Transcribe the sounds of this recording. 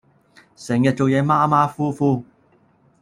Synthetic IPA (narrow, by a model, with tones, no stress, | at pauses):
sɛ˨˩ŋjɐ˨t̚t͡so˨wjɛː˨˧˥maː˥maː˥fuː˥fuː˥˩